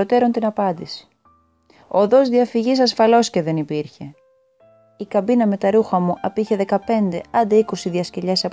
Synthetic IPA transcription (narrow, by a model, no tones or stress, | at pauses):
o̞t̪e̞ɾo̞nt̪inɐpɐnd̪isi̥ | oðo̞zðiɐfiʝisɐsfɐlo̞sce̞ðe̞nipiɾçe̞ | ikɐbinɐme̞t̪ɐɾuxɐmuʔɐpiçe̞ðe̞kɐpe̞nd̪e̞ɐnd̪eiko̞siðiɐsceʎesɐp